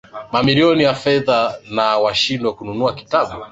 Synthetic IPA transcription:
mamiliɔnijafɛðanawaʃindwakununuaki̥taɓu

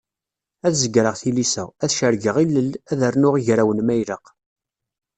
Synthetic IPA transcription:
æθzəɡɾəʁθilisæ̰æθʃəɾɡəʁilːəlæðərnʊʁiʝɾæwənmæjləq

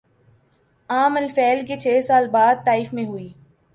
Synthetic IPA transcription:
aːmɐlfɛːlket͡ʃʰeːsaːlbaːd̪̚t̪aːiːfmẽɦʊiː

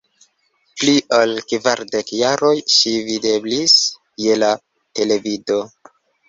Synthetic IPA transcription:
pliʔalkvaɾde̞kjaɾo̞jʃivide̞blis | je̞la | te̞le̞vido̞

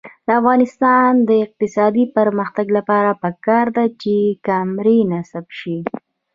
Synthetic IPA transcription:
d̪əafɣɑnɪst̪ɑnd̪əɪq̚t̪ɪsɑd̪ipəɾməxt̪aɡlapɑɾapəkɑɾd̪at͡ʃekamɾinasabʃi

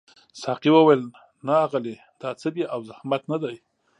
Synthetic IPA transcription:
sɑqiwəwajl | naːɣəle | d̪̥ɑt͡səbjaʔawzahmat̪nad̪aj

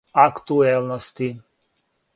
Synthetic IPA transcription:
akt̪uɛlnɔst̪i

